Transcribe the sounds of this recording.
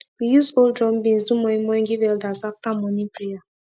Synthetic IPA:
wijuzoldɾɔm̩bĩn̩zumɔĩmɔ̃ɡɪvɛldazaftamɔnĩpɾija

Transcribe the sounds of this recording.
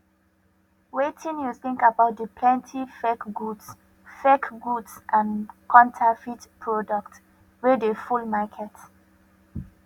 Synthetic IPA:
wetʰĩnjuθɪ̃ŋkabaʊt̚dəpʰlɛ̃ntʰifɛkɡuds | fɛkɡudsʔãnkʰɔ̃ntʰafitpʰɹɔdɔkt | wedefulmakʰɛt

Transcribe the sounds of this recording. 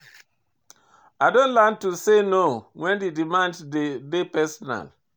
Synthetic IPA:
aɪdõntlantusenowɛ̃ndedimãnddedepɛsɔna̰l

